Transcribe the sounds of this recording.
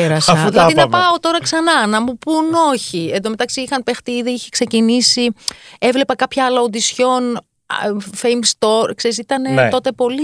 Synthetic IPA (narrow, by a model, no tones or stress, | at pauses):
eɾɐsɐɐðinɐpɐot̪o̞ɾɐksɐnɐnɐmupuno̞çiend̪ome̞t̪ɐksiixɐnpext̪iðiiçe̥kse̞cinisievle̞pɐkɐpçɐɐlɐond̪isço̞n | fejmst̪o̞ɾkse̞ɾisit̪ɐne̞o̞t̪e̞po̞li